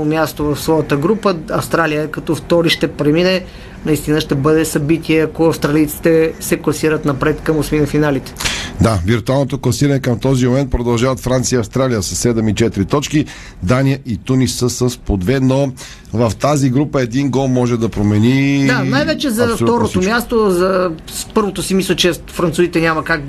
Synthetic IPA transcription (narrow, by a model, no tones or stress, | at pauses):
omʲjast̪ovɐfsvɔjət̪əɡɾupəɐfst̪ɾalijəkɐt̪ɔft̪ɔɾiʃt̪ɛpɾɛminɛ | nɐist̪inəʃt̪ɛbɤd̪ɛsɐbit̪iɛɐkoɐfst̪ɾɐlijt̪si̥t̪ɛsɛklˠɐsiɾət̪nɐpɾɛt̪kəmosminɐfinalit̪ɛ̥d̪aviɾt̪ualˠnot̪oklˠɐsiɾənɛkəmt̪ɔzimomɛnt̪̚pɾod̪ɐlˠʒavət̪fɾant̪sijəiɐfst̪ɾalijəsɐsːɛd̪ɛmit͡ʃɛt̪ɾit̪ɔt͡ʃki | d̪anijəʔit̪unisəsəspod̪vɛno | vəft̪aziɡɾupəɛd̪inɡɔlˠmɔʒɛd̪ɐpɾomɛnid̪anajvɛt͡ʃɛzɐft̪ɔɾot̪omʲjast̪ozɐ | spɤɾvot̪osimislʲˠət͡ʃɛfɾɐnt̪suzit̪ɛnʲamɐkak